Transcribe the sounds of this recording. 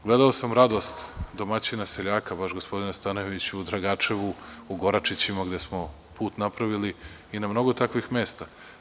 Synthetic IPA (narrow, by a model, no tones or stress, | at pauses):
ɡle̞d̪aosamɾad̪o̞st̪d̪o̞mat͡ɕinaseʎaːkabaʃɡospo̞d̪inast̪anojeʋit͡ɕud̪ɾaɡat͡ʃeʋuuɡo̞ɾat͡ʃit͡ɕimaɡd̪je̞smo̞ | puːt̪napɾaʋili | inamno̞ɡo̞t̪akʋixme̞ːst̪a